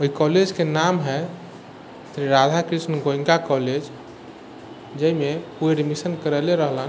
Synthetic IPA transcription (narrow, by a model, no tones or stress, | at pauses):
oɦikɔled͡ʒkenamɦɛ | sɾiɾad̪ʱakɾisnɡoĩŋkakɔled͡ʒ | d͡ʒəimepueɖimisənkəɾɛleɾəɦlən